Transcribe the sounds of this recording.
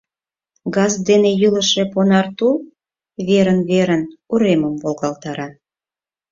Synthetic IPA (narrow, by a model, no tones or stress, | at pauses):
ɡɑzd̪enejyləʃe̽ponɑrt̪ul | βeɾənβeɾənuɾeməmvolɣɑlt̪ɑɾɑ